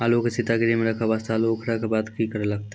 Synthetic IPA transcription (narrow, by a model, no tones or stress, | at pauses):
alokesɪt̪aɡɾimeɾɐkʰaʋaːst̪ʰaːlokʰɾɐkabaːd̪kikəɾlɐɡ̚t̪a